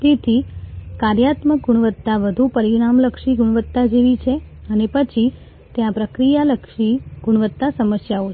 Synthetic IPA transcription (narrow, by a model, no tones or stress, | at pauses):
t̪et̪ʰikaɾjat̪mək̚ɡuɽ̃ʋət̪ːaʋəd̪ʱupəɾiɽ̃amləkʃiɡuɽ̃ʋət̪ːad͡ʒeʋit͡ʃʰeənepət͡ʃʰi | t̪jãpɾəkɾijaləkʃiɡuɽ̃ʋət̪ːasəməsjao